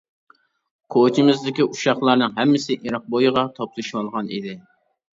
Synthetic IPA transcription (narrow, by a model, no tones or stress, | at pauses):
kʰot͡ʃʰimɪzd̪ɪkʲiʔuʃɑχlˠɑɾnɨŋɦɛmːɪsɪʔiɾɑq̚bojɨʁɑt̪ʰɑplˠɨʃmɑlˠʁɑnḭd̪ɪ